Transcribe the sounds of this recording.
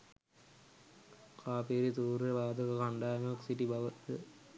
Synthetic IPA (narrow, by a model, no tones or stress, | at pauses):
kʰaːpeːɾit̪uːɾɾɐʋaːd̪ʱɐkɐkɐɳɖaːnɐksiʈibɐʋɐt̪ːɨ